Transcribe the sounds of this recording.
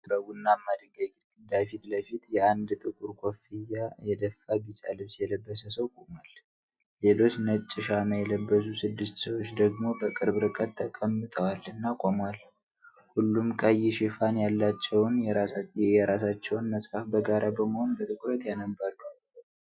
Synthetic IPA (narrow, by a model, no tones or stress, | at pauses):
bəwunːamːad̪ɨɡaɡ̪ɡɨd̪afit̪ləfit̪jɛʔand̪t̪ʼɨkʼuɾkʷʰʼo̞fijːajɛd̪əfːabisʼa̰lɨβsjɛləbːəsəsəwkʼomal | le̞lo̞t͡ʃːnət͡ʃʼːɪʃaməjɛləbːəs̬usɨd̪ːɨst̪səwot͡ʃːd̪əɡmo̞bəkʼɨɾbɾɨkʼət̪ʰːəkʼəmːɨt̪ʼʰəwalːɨnːakʼomwal | hulːumkʼəjɪʃɪfanjalːat͡ʃːɛwn | jɛɾasat͡ʃːɛwnməsʼhafbəɡaɾʔabəməho̞nbət̪ʼɨkʼuɾət̪janəbːəɾu